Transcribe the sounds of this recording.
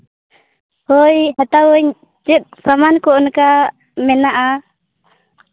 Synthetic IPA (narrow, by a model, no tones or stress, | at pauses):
hɔjhɛt̪awəɲ | t͡ʃɛt̪̚ˀsamankɔʔnka | mɛnaʔa